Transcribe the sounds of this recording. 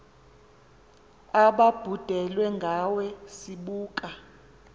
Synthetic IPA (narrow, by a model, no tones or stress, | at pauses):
aɓab̥ʱud̥ʱɛlwɛŋɡʱawɛsiɓuːkʼa